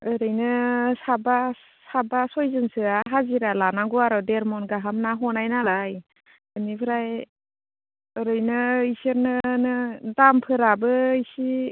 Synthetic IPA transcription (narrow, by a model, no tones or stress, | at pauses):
ɯɾɯjnɯsaba | sabasɔjzɯnsɯaɦaziɾalanaɡuaɾɔdeɾmɔnɡaɦamnaɦɔnajnalaj | ɯnipʰɯɾaj | ɯɾɯjnɯiseɾnɯnɯdampʰɯɾabɯisi